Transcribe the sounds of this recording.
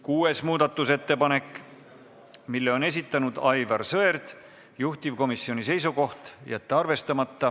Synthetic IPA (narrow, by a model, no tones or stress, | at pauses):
kuːe̞smuːd̪ɑt̪ːˑuse̞t̪ːe̞pɑne̞kːˑ | milːeo̞ne̞s̬ʲit̪ːˑɑnud̪̥ɑjvɑrsɤe̞rd̪̥ | juht̪ivko̞misːio̞nʲise̞jsuko̞ht̪jæt̪ːˑeɑrve̞st̪ɑmɑt̪ːɑ